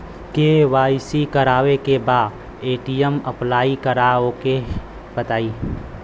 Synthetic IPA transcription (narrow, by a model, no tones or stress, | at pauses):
keːʋaːisikɐɾaːʋekebaːd | eːʈiəmɐplaːikɐɾaːoke | b̥ɐt̪aːiː